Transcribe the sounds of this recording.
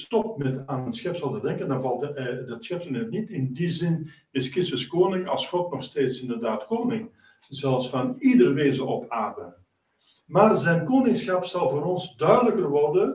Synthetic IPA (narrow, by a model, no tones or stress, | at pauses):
stɔp̚tmɛtaːnənsxɛpsɑlˠtədɛŋkəndɑvɑlˠtdɑtsxɛp̚tənətnitɪndizɪn | ɪskɪstəskoːnɪŋɑ̰lˠsxɔtnɔxsteːtsɪndərdaːtkoːnɪŋ | zɛlˠsfɑnidərʋeːzəɔpaːrdə | maːrzɛjnkoːnɪŋsxɑpsɑlˠvoːɾɔnzdœɥdələkərʋɔrdə